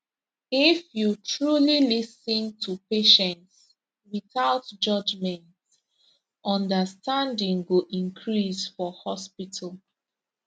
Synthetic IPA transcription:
ifjutʰɹulilisĩntʰupeʃɛ̃nts | wiθaʊtd͡ʒʌd͡ʒmɛ̃nt | ʔɔ̃ndəstãndĩŋɡoʔĩŋkʰɹisfɔhɔspitʰal

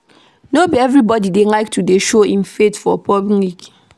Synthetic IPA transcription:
nobiɛvɹibɔdidelaɪk̚tʰudeʃoĩnfetfɔpɔbŋik

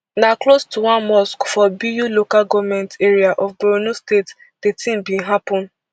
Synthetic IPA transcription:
naklostʰuwãnmɔskfɔbijulokalɡɔvmɛ̃nteɾiaʔɔfboɾonostet | d̥etĩmbĩnɦapɔ̃n

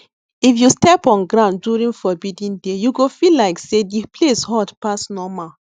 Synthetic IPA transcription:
ifjustɛpɔ̃nɡɹãʊ̃nːuɹĩŋfɔbidĩndejuɡofilaɪksedipʰleshɔdpasnɔma

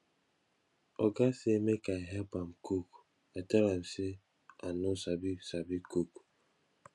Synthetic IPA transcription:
ɔɡasemekaɪɦɛlpam̩kuk | atɛlam̩se | anosabisabikuk

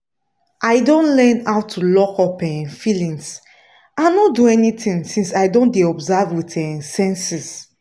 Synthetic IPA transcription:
ʔaɪdõnlɛ̃nawtʰulɔkɔpɛ̃ñnfilĩŋs | ãnɔduɛnitĩŋsĩnsaɪdõndeɔbzavwitɛ̃sɛ̃nsis

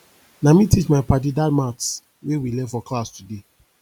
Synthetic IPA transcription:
namĩtit͡ʃmaɪpadidatmat | wewilɛfɔklastude

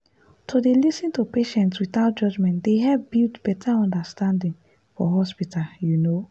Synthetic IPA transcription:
tʰodelisĩntupeʃɛ̃ntswiθaʊt̚d͡ʒɔd͡ʒmɛ̃ntdeɦɛvbiltb̥ɛtʰaɔ̃ndastãndĩŋ | fɔɦɔspitʰaljuno

